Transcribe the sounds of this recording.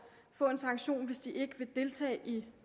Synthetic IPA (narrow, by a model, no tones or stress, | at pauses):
fɔ̰̽ːe̝nsɑ̈ŋɡ̥ɕo̝̰ːnʋe̝sd̥iʔe̝ɡ̥əʋe̝d̥e̝lt͡sʰɛ̰ːʔi